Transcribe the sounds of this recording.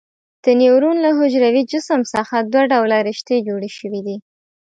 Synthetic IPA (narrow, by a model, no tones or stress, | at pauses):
d̪̥ənewɾunlaɦʊʒɾawid͡ʒʊsəmsɑxad̪waɖawlaɾɪʃt̪ed͡ʒoɽeʃəwid̪i